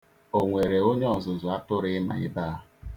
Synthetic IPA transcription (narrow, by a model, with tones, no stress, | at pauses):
o˨ŋʷe˨ɾe˨o˦ɲe˦ɔ˨zʊ˨zʊ˨a˦tʊ˦ɾɪ˦ɪ˦ma̰˨ɪ̰˦baː˦˨